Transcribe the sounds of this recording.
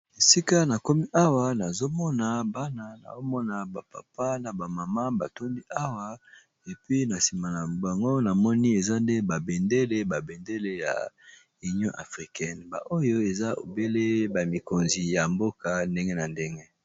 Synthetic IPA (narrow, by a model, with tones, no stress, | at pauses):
e˨si˦ka˦na˨kɔ˦mi˦ʔa˦wa˨na˨zo˦mɔ˦na˨ba˦na˨na̰˨zo˦mɔ˦na˨ba˨pa̰˨pa˦na˨ba˨ma˨ma˦ba˨to˦mbi˦ʔa˦wa˦ | e˨pɥi˦na˨si˨ma˨na˨ba˨ŋɡo˦na˨mɔ˦ni˦e˨za˦nde˦ba˨be˨nde˦le˦ba˨be˨nde˦le˦ja̰˨ | i˨njɔ̃˦ʔa̰˨fʁi˨kɛ˦nba̰˨ʔo˦jo˦e˨za˦o̰˨be˦le˦ba˨mi˨ko˨nzi˨ja˨mbo˦ka˨nde˦ŋɡe˦na˨nde˦ŋɡe˦